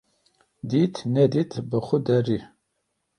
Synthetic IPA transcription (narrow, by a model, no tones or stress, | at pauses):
d̪itʰnɛd̪itʰbɨχʷʊdɐri